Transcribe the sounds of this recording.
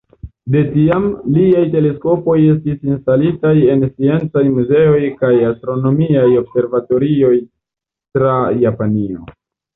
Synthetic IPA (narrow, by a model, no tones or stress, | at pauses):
de̞tiamliajte̞le̞sko̞po̞je̞stisinstalitaje̞nsie̞nt͡sajmuze̞o̞jkajastɾo̞no̞miajo̞bse̞ɾvato̞ɾio̞j | tɾajapanio̞̰